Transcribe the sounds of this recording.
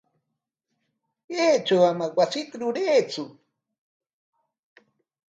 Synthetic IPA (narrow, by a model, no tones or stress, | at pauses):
jeːt͡ʃawamawasɪk̪ɾʊɾeːt͡sʊ